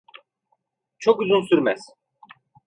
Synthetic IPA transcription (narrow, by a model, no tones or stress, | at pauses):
t͡ʃʰokyzynsyɾmæz̥